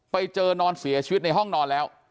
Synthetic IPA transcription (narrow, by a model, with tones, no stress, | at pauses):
pa˧jt͡ɕɤː˧nɔː˧nsi˩˦ɐt͡ɕʰi˧˦t̪̚na˧jɦɔ˥˩ŋnɔː˧nlɛː˦˥w